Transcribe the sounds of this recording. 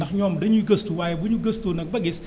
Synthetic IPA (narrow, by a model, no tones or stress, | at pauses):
ɐxɲɔːmdɐɲuɡɐstuwajbuɲuɡəstoːnɐk̚bɐɡɪs